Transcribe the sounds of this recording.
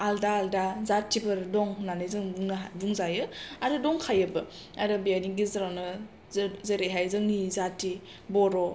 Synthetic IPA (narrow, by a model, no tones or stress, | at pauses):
aldaːldazatːibɯɾdɔŋnanɯjzɯŋbuŋnaɦabuŋzajɯaɾɯdɔŋkʰajɯbɯ | aɾɯbejaniŋɡizɯɾawnɯ | zeɾejɦajzɯŋnizatːi | bɔɾɔ